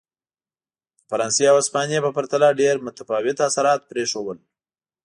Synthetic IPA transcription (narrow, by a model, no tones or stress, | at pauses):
faɾɑnsjeawaspɑnijepəpaɾt̪alaɖeɾmʊt̪afɑwɪt̪asaɾɑt̪̚pɾeʂowəl